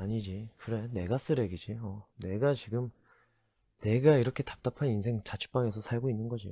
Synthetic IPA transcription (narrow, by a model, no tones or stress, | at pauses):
aɲid͡ʑikɯɾe̞ne̞ɡas͈ɯɾe̞ɡid͡ʑiʌne̞ɡat͡ɕiɡɯm | ne̞ɡaiɾʌkʰe̞tḁp̚t͈apʰaninsʰe̞ŋt͡ɕat͡ɕʰu̥p͈aŋe̞sʰʌsʰaɭɡoinːɯnɡʌd͡ʑio